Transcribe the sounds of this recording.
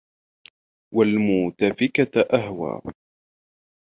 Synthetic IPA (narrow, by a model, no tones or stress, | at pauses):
walmuːt̪afɪkaʔaɦwa̰ː